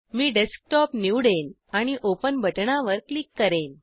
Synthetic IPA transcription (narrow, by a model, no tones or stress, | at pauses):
miːɖesk̚ʈɔpniwɽen | aɽ̃iʔopənbʱəʈɳaʋəɾklikːəɾen